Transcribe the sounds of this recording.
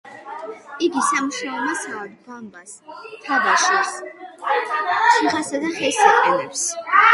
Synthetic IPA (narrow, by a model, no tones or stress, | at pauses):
iɡisamuʃaɔmasad̪bambast̪ʰavaʃɛs | sʰiʁasad̪aχɛlsat̪ʰʼɛlɛps